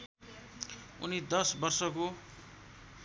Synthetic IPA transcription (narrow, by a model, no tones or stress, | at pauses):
ṵnid̪ʌsbʌrsʌko